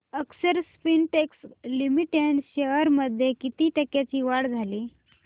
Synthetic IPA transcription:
əksəɾspinʈekslimiʈeɳɖɕəəɾməd̪ʱjekit̪iːʈəkjat͡ɕiːʋaɽd͡zʱaliː

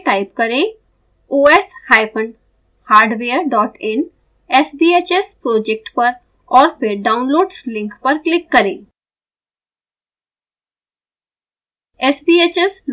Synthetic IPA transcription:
ʈaːɪpkɐɾẽ | oːeshaːɪpʰəɳ | haːɾɖʋeːəɾɖɔːʈɛ̃n | esbiːeːt͡ʃespɾoːd͡ʒek̚ʈpɐɾ | ɔːɾpɪɾɖaːʊ̃nloːɖslɪ̃ŋkpɐɾklɪkːɐɾḛ̃ː | esbiːet͡ʃesl

